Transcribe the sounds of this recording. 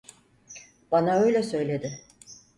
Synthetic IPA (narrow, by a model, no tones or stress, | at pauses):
banaø̞jlʲɛsø̞jlʲe̞d̪ɪ